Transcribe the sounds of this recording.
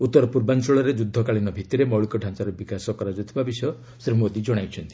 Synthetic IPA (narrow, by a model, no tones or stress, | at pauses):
ut̪ːɔɾɔpuɾbansɔɭɔɾed͡ʒud̪ʱːɔkaɭinɔbʱit̪iɾemɔwɭikɔɖʱant͡ʃaɾɔbikasɔkɔɾad͡ʒɔt̪ʰibabisɔɔ | sɾibʱmod̪id͡ʒɔɽ̃ajt͡ʃʰɔnt̪i̥